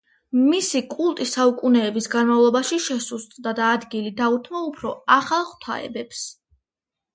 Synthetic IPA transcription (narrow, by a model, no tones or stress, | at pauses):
misikʼulˠt̪ʼisaukʼunɛːbisɡanmavlˠɔbaʃiʃɛsust̪ʼd̪ad̪aːd̪ɡilid̪aut̪ʰmaupʰɾɔaχalˠχʰt̪ʰa̰ɛ̰bɛps